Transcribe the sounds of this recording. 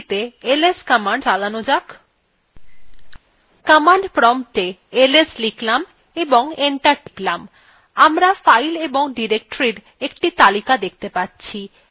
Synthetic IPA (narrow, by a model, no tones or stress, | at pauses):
t̪eeleskamaɳɖd͡ʑalanod͡ʑak | kamaɳɖpɾɔmt̪eelesliklam | eboŋeɳʈaɾklam | amɾafajleboŋɖiɾek̚ʈoɾiɾ | ek̚ʈit̪alikad̪ek̚ʰt̪epatːɕʰi